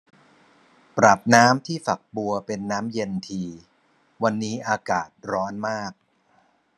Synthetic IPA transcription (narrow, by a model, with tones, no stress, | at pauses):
pɾa˨˩p̚naː˦˥mt̪ʰiː˥˩fa˨˩k̚bu˧ɐpe˧nːaː˦˥mje˧nt̪ʰiː˧ | wa˧nːiː˦˥ʔaː˧kaː˨˩t̪̚ɾɔː˦˥nmaː˥˩k̚